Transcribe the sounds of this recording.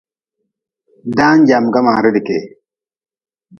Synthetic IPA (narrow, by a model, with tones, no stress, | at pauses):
d̪aː˦nd͡ʒaː˨mɡɐ˦maː˨ɾi˦di˨ke˨